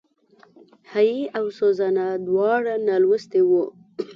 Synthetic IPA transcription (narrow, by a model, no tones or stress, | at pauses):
hajiawsozanad̪wɑɽanalwəst̪ewu